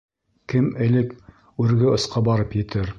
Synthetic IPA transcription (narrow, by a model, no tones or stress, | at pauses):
kɘmɘ̆lɘk | ʉɾɡɘŏsqɑbɑɾɤpjɘ̆t̪ɘɾ